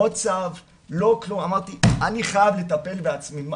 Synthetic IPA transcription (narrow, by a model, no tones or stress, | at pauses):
ot͡sav | lo̞klumamaʁt̪ianiχajavle̞t̪ape̞lbeat͡smim